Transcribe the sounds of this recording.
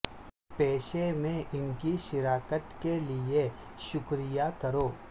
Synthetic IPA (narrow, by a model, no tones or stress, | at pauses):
pɛːʃemẽʔɪnkiʃɪɾaːkət̪kelie | ʃʊkɾijakɐɾoː